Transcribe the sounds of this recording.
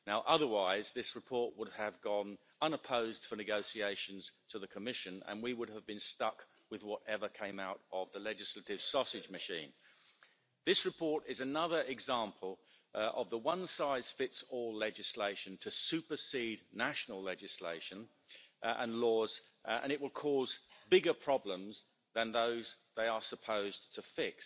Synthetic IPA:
naʊʔʌðə˞waɪzðɪsɹɨpʰɔɹʔ̚wʊd̚əvɡɒ̃n | ʌ̃nəpʰoʊzd̥fə˞nɨɡoʊsieɪʃɨ̃n̩z̥tʰəðɨkʰəmɪʃɨ̃nə̰̃nwiwʊɾəvbɨ̃nstʌk | wɨðwʌɾɛvə˞kʰẽɪ̃maʊɾʔəvðəlɛd͡ʒɨslətɪv̥sɔsɨd͡ʒmɨʃḭ̃n | ðɪsɹɨpʰɔɹɾɪzɨnʌðə˞ɪɡzɑ̃mpʰəl̩ˠ | ʔəvðəwʌ̃nsaɪz̥fɪtsɔlɛd͡ʒɨsleɪʃɨ̃ntʰɨsʉpə˞sidⁿnæʃnl̩ˠlɛd͡ʒɨslḛɪʃɨ̃n | ə̰̃nlɔːz | ə̰̃ñɨɪʔ̚wɪlˠkʰɔzbɪɡəpʰɹ̥ɑblə̃mz | ðə̃nðoʊzðeɪə˞səpʰoʊztʰəfɪks

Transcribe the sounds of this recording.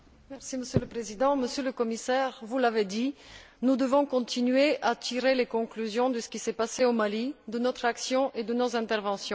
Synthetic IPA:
mɛʁsiməsjøləpχezid̪ɑ̃məsjøləkɔmisɛʁvulaved̪i | nud̪əvɔ̃kɔ̃t̪inɥeʔat̪iʁelekɔ̃klyzjɔ̃d̪əsə̥kʲisɛpaseomalid̪ənɔt̪χaksjɔ̃ʔed̪ənozɛ̃t̪ɛʁvɑ̃sjɔ̃

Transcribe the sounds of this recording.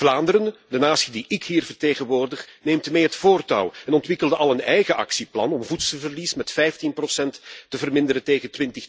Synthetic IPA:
vlaːndəɾəndənaːsidiʔɪkɦiːrvərteːɣənʋoːrdəχneːmtmeːɦətfoːrtɑ̰wɛnɔntʋɪkəlˠdəʔɑlˠənɛjɣəʔɑ̰ksiplɑnɔmvutsəvərlismɛtfɛjftinprosɛntːəvərmɪnd̪əɾənteːɣətwɪntəx

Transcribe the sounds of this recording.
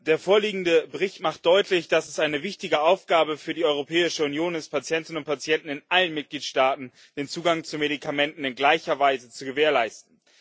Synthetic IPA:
d̥eːɐfoːɐliːɡŋ̩dəbəʁɪçtmaχt̚d̥ɔʏtlɪçd̥asɛsʔaɪnəvɪçtɪɡəʔaʊfɡ̥aːbəfyːɐdiːɔʏʁ̞opʰɛːɪʃəunjoːnaspʰat͡sjɛntɪn̩ʊnt̚pʰat͡sjɛntn̩ɪnʔalənmɪt̚ɡ̥liːtʃtaːtn̩ | d̥eːnt͡suːɡaŋt͡sumeɾikʰamɛntn̩ɪnɡlaɪçɐvaɪzət͡suɡəveːɐlaɪstn̩

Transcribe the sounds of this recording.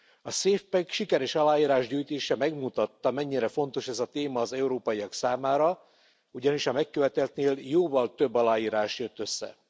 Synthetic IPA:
ɒseːfpɛkʃikɛɾɛʃɒlaːjiːɾaːʒɟuːjt̪eːʃɛmɛɡmut̪ɒt̪ːɒmɛɲːiɾɛfo̞nt̪o̞ʃɛzɒt̪eːmɒːzɛuɾoːpɒiɒksaːmaːɾɒ | uɟɒniʃɒmɛkːøvɛt̪ɛlt̪neːljoːvɒlt̪øbːɒlaːjiːɾaːʃjøt̪ːø̞sːɛ̰

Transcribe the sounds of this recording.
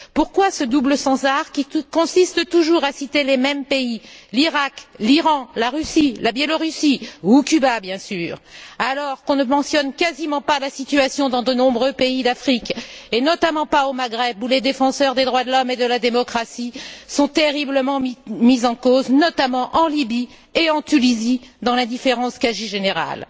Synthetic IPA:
puʁkwasəd̪ubləsɑ̃zaʁkʲikɔ̃sist̪ət̪uʒuʁasit̪elemɛmpeiliʁakliʁɑ̃laʁysilabjɛlɔʁysiukʲybabjɛ̃syːʁalɔʁkɔ̃nəmɑ̃sjɔnkazimɑ̃palasit̪yasjɔ̃d̪ɑ̃d̪ənɔ̃bʁøpeid̪afχikenɔt̪amɑ̃paomaɡʁɛbuled̪efɑ̃sœʁd̪ed̪ʁwad̪əlɔmed̪əlad̪emɔkχasisɔ̃t̪eʁibləmɑ̃mizɑ̃koznɔt̪amɑ̃ʔɑ̃libi | eɑ̃t̪ynizid̪ɑ̃lɛ̃d̪ifeʁɑ̃skaʒiʒeneʁa̰l

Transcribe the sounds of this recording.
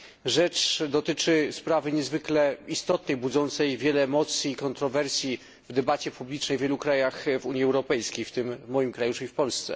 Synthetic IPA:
ʐɛt͡ʂd̪ɔt̪ɘt͡ʂɘspɾavɘɲɛzvɘklɛist̪ɔt̪nɛjbud̪zɔnt̪sɛjvʲjɛlɛːmɔt̪sʲjiːkɔnt̪ɾɔvɛɾsʲji | vd̪ɛbat͡ɕɛpublʲit͡ʂnɛjvjɛlukɾajaxvuɲjiɛwɾɔpɛjskʲejft̪ɘmmɔjimkɾajuʂɛifpɔlst̪sɛ̰

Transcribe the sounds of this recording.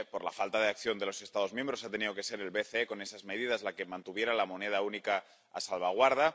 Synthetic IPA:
po̞ɾla̰falt̪að̞e̞akθjo̞nd̪e̞lo̞se̞st̪að̞o̞zmje̞mbɾo̞sat̪e̞niðo̞ke̞se̞ɾe̞lβe̞θeeko̞ne̞sazme̞ðið̞azlake̞mãnt̪uβje̞ɾalamo̞ne̞ð̞aunika | a̰salβ̞aɣ̞waɾð̞a

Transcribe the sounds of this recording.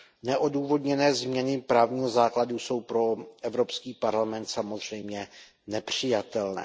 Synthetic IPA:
nɛʔo̞duːvo̞dɲɛnɛːzmɲɛnɪpɾaːvɲiːɦozaːkladuso̞wpɾo̞ʔɛvɾo̞pskiːpaɾlamɛnt̪samo̞zr̝ɛjmɲɛ | nɛpr̝̥ɪjat̪ɛlnɛ̰ː

